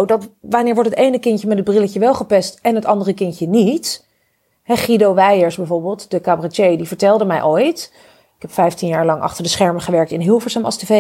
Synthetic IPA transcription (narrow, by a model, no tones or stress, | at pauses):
wdɑtʋanɪːɹʋɔɹtɦətejnəkɪncəmɛtɦəd̚brɪləcəʋɛlˠχəpɛstɛnɦətɑndərəkɪncənit | ɦɛχidowʋɛjəɹsbɛvʊːɹbɪːlˠtd̥əkabrat͡ʃejdivəɹtɛlˠdəmɛjʔojt | ɪkɛpfɛjftinjaːɹlɑŋʔɑ̰χtəɹdəsχɛɹməχəʋɛɹk̚tɪnɦɪlˠfəɹsəmɑ̰lˠsteve